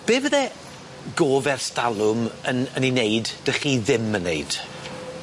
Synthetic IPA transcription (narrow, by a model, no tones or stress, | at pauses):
b̥eːvəðɛ | ɡoːvɛrstalˠʊmənənineɨdd̥əχiːðɪmənːejd̥